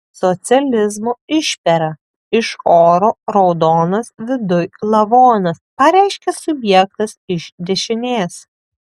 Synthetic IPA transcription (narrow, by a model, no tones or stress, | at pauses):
sɔt̪sʲɪɛlʲɪzmoːɪʃʲpʲɛɾɐ | ɪʃoːɾoːɾɒʊd̪oːnɐsʋʲɪd̪ʊjlˠɐʋoːnɐspɐɾʲæˑɪʃʲkʲɛsʊbʲjɛk̚t̪ɐsɪʃd̪ʲɛʃʲɪnʲeːs